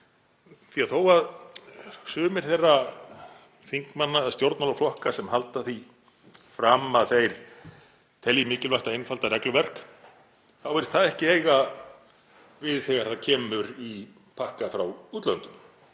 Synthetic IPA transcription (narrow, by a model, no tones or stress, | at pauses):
θiaðθowað | sʏːmɪɾ̥θejrːa | θiŋkmanːaːðst̪jowɾt̪nɔlaflɔhkasɛmɦalt̪aθi | fɾaːmːaðθejɾ̥ | t̪ʰɛljɪmɪːcɪlvaht̪aenfalt̪aɾɛklʏvɛr̥k | θawɛɾɪst̪θaðɛhcɪeːjɣa | vɪðθɛɣaɾ̥θaðcʰɛːmʏɾi | pʰahkafɾawuːt̪lœnt̪ʏm